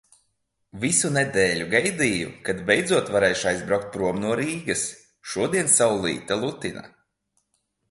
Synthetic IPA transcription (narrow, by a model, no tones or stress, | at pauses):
visunɛd̪eːlʲuɡajd̪iːjṵkad̪bɛjd̪zuɔt̪vaɾɛjʃajzbɾawk̚t̪̚pɾuɔmnuɔɾiːɡɐs | ʃuɔd̪iɛnsawlˠḭːt̪alˠut̪ina̰